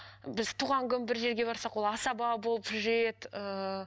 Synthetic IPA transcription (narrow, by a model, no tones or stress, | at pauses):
bɪzt̪ʰuːʁɑŋkʲʰʏnbɪɾʒe̞ɾɡʲe̞bɑɾsɑqwo̞lˠɑsɑbɑbolˠəpʒe̞t̪ə